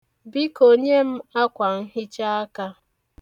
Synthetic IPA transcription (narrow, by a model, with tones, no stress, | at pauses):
bi˦ko˨ɲe˦m̩˦a˦kʷa˨ŋ̩˦ɦɪ˦t͡ʃa˦a˦ka˦